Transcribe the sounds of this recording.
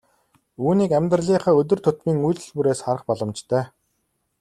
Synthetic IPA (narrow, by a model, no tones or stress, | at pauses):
uːniːkæmʲt̪rəɮiːχəːɵt̪̬ʲɵ̆rt̪ʰʊt̪miːŋujɮɵ̆ɮpuɾeːsχaɾə̆χpɔɮɞ̆mt͡ɕt̪ʰœː